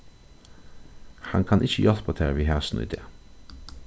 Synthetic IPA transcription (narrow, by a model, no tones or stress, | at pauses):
hɑŋkʰɑnʔɪçəjɑt̪pɑt̪ʰeːɾʋiːhæsn̩ḭːd̪ḛː